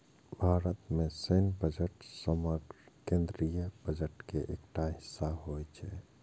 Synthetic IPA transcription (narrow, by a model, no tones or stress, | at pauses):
bʱaːɾət̪mẽsenbəd͡ʒəʈsəməɡɾkẽːnd̪ɾijəb̥əd͡ʒəʈkeʔekʈaɦɪsːaɦoːjt͡ʃʰɛ